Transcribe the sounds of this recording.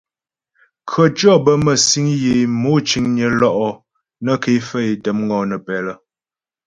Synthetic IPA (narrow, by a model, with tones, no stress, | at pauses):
kʰɰə˨t͡ʃɔ˦bə˦mə˨si˦ŋje˨mo˦t͡ʃi˨˦ŋɲə˨˦lɔ˦ʔɔ˦ | nə˦ke˨˦fə˦e˨tə˨˦mŋɡɔ˨nə˨pɛ˨lə˦